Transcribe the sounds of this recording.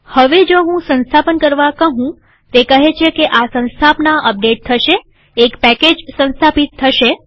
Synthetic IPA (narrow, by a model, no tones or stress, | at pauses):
həʋed͡ʒoɦũsə̃nst̪ʰapənkəɾʋakəɦũ | t̪ekəɦet͡ʃʰekeʔasə̃nst̪ʰapnaʔəp̚ɖeʈ̚t̪ʰəʃeː | kpɛked͡ʒsə̃nst̪ʰapit̪ʰːəʃe